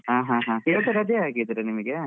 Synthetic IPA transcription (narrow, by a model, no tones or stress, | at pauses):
aːɦãːɦãːkeːɭʈ̪ɐɾɐd̪eaːkid̪ɐɾenimɐɡe